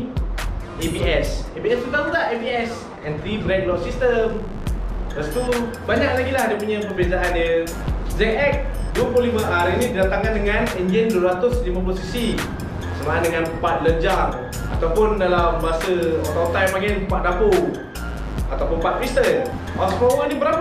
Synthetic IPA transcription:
epiɛsipiɛst̪ut̪aŋt̪ud̪aʔɛpiɛs | ɛ̃nt̪ɾifɾɛk̚lɔʔsist̪əm | t̪ast̪u | baɲaʔlaɡilahdipuɲə̃pərbiazaandə | zɛkɛk̚ | duəplʊlimãʔaɾinididat̪aŋkandəŋanɛnd͡ʒənduəɾat̪ʊslimãposisi | kəsəmaandəŋanpat̪̚ləɲd͡ʒar | a̰t̪awpʊndalambaasəɔt̪at̪ajmaɡɛnpaʔ̚dapo | at̪awpʊnpat̪̚pist̪ən | ʔɔsmɔoɡandibəɾap

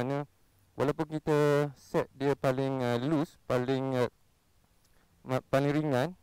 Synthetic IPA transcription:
anə | wʔalawpʊnkit̪əsɛt̪̚diəpalɪŋəluspalɪŋ | mpaliŋɾiŋãn

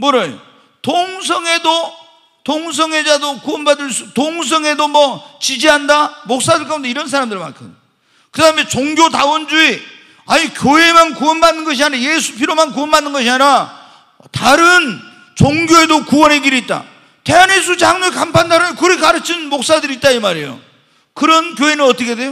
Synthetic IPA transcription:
moɾʌjo | toŋs̬ʰʌŋe̞do | toŋs̬ʰʌŋe̞d͡ʑadokuwʌnbadɯɭsʰutoŋs̬ʰʌŋe̞domʌt͡ɕid͡ʑiɦandamok̚s͈adɯɭk͈ʌunde̞iɾʌns̬ʰaɾamdɯɭma̰nkʰɯn | kɯdaɦɯme̞t͡ɕoŋɡjotawʌnd͡ʑui | a̰ɲikjoɦe̞mankuwʌnbanːɯnɡʌɕ̬ʰianiaje̞sʰupʰiɾomankuwʌnbanːɯnɡʌɕʰiaɲiɾa | taɾɯn | t͡ɕoŋɡʲjoe̞dokuwʌnɦe̞ɡiɾiːt̚t͈a̰ | te̞anɦe̞s̬ʰut͡ɕaŋnoɭkampʰandaɾɯnkɯʌkaɾɯt͡ɕʰinmok̚s͈adɯɾit̚t͈aimaɾḛjo̰ | kɯɾʌnkjoɦe̞nɯnʌt͈ʌkʰede̞jo

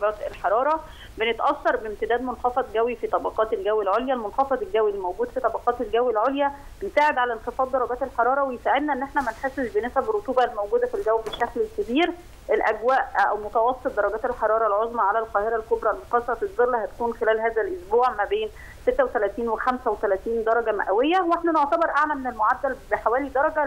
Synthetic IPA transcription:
ɑɡæːt̪elħɑɾˤɑːɾˤɑ | benet̪ʔɑsːɑɾˤbemt̪ɪd̪æːd̪monxɑfɑd̪ɡæwifit̪ˤɑbɑqɑːt̪elɡæwelʕoljælmonxɑfɑd̪ˤelɡæwilːimowɡuːd̪fit̪ˤɑbɑqɑːt̪elɡæwelʕoljæ | ensaːʕed̪ʕalæenxefɑːd̪ˤːɑɾˤːɑɡæːt̪elħɑɾˤɑːɾˤɑwejesaːʕed̪næʔenːʔeħnæmænħesezbenæsæberˤːot̪uːbɑlːimowɡuːd̪æfilɡæwbeʃːæklelkæbiːɾ | ʔelʔæɡwæːʔʔæwmot̪ɑwɑsːet̪̚d̪ɑɾˤɑɡæːt̪elħɑɾˤɑːɾˤɑlʕozˤmɑʕalælqɑːheɾælkobɾˤɑlmoq̪ɑsɑfizˤelːæhæt̪æ̥kuːnxelæːlɦæːzælʔosbuːʕmæbeːn | set̪ːæwet̪ælæːt̪iːnwexæmsæwet̪ælæːt̪iːnd̪ɑɾˤɑɡæmæ̰ʔæwejːæweħnænoʕt̪æbeɾˤʔaʕlæmenelmoʕad̪ːælbeħawæːlid̪ɑɾˤɑɡæ

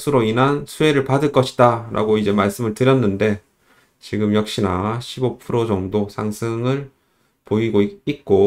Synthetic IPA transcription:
sʰuɾoinansʰue̞ɾɯɭpadɯɭk͈ʌɕʰi̥daɾʔa̰ɡoid͡ʑe̞maɭs͈ɯmɯɭtɯɾjʌnːɯnde̞ | t͡ɕiɡɯmjʌk̚ɕ͈inaɕʰibopʰɯɾod͡ʑʌŋdosʰaŋsʰɯŋɯɭ | poiɡoik͈o

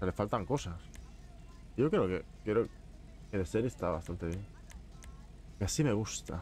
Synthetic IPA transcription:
alefalt̪aŋko̞sas | ʝo̞kɾeokekjeɾo | keðeseɾiest̪aβa̰st̪ant̪e̞βje̞ŋ | keasime̞ɣust̪a̰

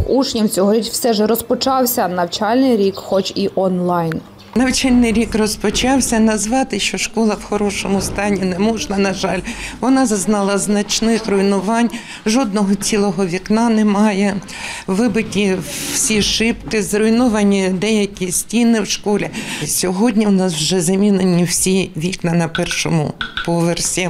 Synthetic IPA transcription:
ut͡ʃnʲimt͡sʲɔɦɔɾʲit͡ʃwsɛʒɛɾɔspɔt͡ʃɑwsʲɐnɐwt͡ʃɑlʲnɪjɾʲikxɔt͡ʃiʔɔnlˠɑjn | nɐwt͡ʃalʲnɪjɾʲikrɔspɔt͡ʃɑwsʲɐnɐzʋɑt̪ɪʃt͡ʃɔʃkɔlˠɐwxɔɾɔʃɔmʊst̪ɑnʲːinɛmɔʒnɐnɐʒɑlʲʋɔnɑzɐznɑlˠɐznɐt͡ʃnɪxrɔjnʊʋɑnʲ | ʒɔd̪nɔɦɔt͡sʲilˠɔɦɔʋʲiknɑnɛmɑjɛ | ʋɪbɪtʲiwsʲiʃɪpkɪzrɔjnɔʋɐnʲid̪ɛjɐkʲisʲtʲinɪwʃkɔlʲisʲɔɦɔdʲnʲiwʊnɑswʒɛzɐmʲinenʲiwsʲiʋʲiknɐnɐpɛrʃɔmʊpɔʋersʲi

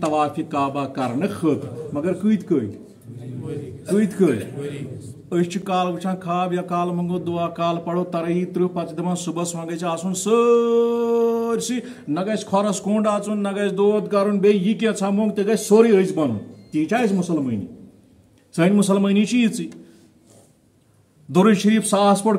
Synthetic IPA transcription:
t̪ɐʋaːfikaːbaːkɐɾnɨxʰəːt̪mɐɡɐɾkɨːjt̪ʰkəːj | kəːt̪ʰkəːj | əst͡ʃʰikaːlbɨt͡ʃʰãːkʰaːbjakaːlmɐŋɡoːd̪uaːkaːlpɐɽoːt̪ɐɾɐjit̪ɾupɐt͡ʃd̪ɐmɐːnsubɐsmɐ̃ŋɡɐt͡ʃʰiaːsunsə | ɾʲsi | nɐɡɐskʰɔɾɐskoːɳɖaːt͡sunːɐɡɐsʰd̪oːt̪kaːɾunbejikʲẽt͡sʰamoːŋɡt̪eɡɐt͡ʃsoːɾiəjt͡sbɐnṵnt̪iːt͡ʃʰaːismusɐlməːnḭ | sənʲmusɐlmənit͡ʃʰijit͡sɨ | d̪oɾɨʃɐɾiːpsaːspɐɽ

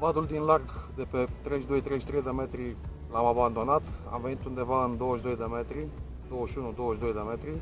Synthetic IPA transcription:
vad̪uld̪inlarɡd̪epet̪ɾejʃd̪o̞jt̪ɾejʃt̪ɾejd̪emet̪ɾi | lamaband̪o̞nat̪a̰mvenit̪und̪e̞vaɨnd̪o̞wəʃd̪o̞jd̪emet̪ɾi | d̪o̞wəʃunud̪o̞wəʃd̪o̞jd̪emet̪ɾi

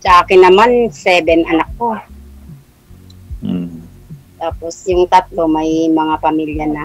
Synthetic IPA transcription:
saʔaːkɪnːɐmansɛːbɛnʔɐnak̚ːo | t̪aːposjʊŋt̪at̪̚lomajmɐŋapɐmiljana

